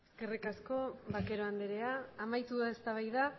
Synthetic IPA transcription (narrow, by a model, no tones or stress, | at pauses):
eske̞rikasko̞βake̞ɾo̞and̪eɾe̞aːmajt̪uðae̞st̪aβajða